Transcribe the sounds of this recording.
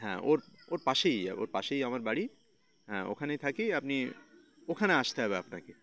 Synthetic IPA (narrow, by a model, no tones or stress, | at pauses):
ɦɛ̰̃ʔo̰ɾoɾpaʃej̰o̰ɾpaʃejamaɾbaɽi | ɦɛ̰̃o̰kʰanet̪ʰakiapni | okʰaneaʃt̪eɦɔβeapna̰ke